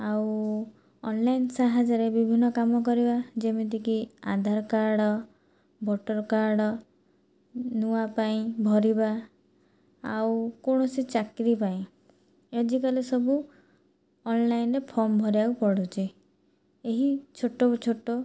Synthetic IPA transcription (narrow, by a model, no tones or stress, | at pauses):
aw | ɔnlajnsaɦad͡ʒɔɾebibʱinːɔkamɔk̬ɔɾibad͡ʒemit̪ikia̰d̪ʱaɾɔkaɾɽɔ | bɔʈɔɾkaɾɽɔ | nuapaĩbʱɔɾiba | a̰wkoɳ̃ɔsit͡ʃakɾipaĩ | ed͡ʒikalesɔbu | ɔnlajnɾepʰɔɾmbʱɔɾaupɔɽut͡ʃʰi | eɦit͡ʃʰoʈːot͡ʃʰoʈːo